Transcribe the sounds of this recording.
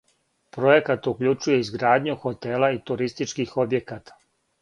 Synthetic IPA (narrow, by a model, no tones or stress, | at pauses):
pɾo̞je̞kat̪ukʎut͡ʃuje̞izɡɾaːd̪ɲuxo̞t̪e̞lˠait̪uɾist̪it͡ʃkixo̞bje̞kaːt̪ḁ